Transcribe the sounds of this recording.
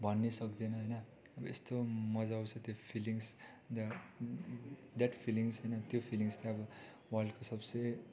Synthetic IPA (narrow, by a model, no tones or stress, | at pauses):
bʱʌnːesʌkd̪enʌɦʌjnʌ | ʌbʌest̪omʌd͡zawt͡sʰʌt̪jopʰiliŋs | d̪ | d̪aʈpʰiliŋsɦʌjnʌt̪jopʰiliŋst̪eʌbʌ | walkosʌbse